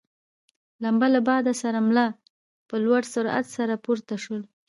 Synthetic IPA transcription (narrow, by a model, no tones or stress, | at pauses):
lambalabɑd̪asaɾamla | pəlwaɽsʊɾa̰t̪saɾapuɾt̪aʃəl